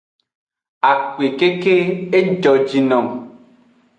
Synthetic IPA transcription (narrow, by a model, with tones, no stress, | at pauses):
a˨kwe˨ke˦ke˦e˦d͡ʒɔ˨d͡ʒi˨nɔ˨ŋ